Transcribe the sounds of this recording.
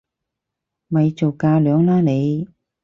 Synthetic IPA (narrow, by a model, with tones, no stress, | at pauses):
mɐ˨˧jt͡so˨˩wkaː˧lœː˨˧˥ŋlaː˥ne˨˧j